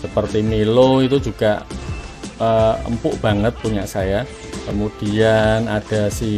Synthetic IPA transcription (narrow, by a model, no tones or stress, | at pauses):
səpərt̪imiloit̪ud͡ʒuɡ̥a | əə̰mpʊʔb̥a̤ŋət̪̚puɲaʔsaja | kəmud̥ianad̥a̤si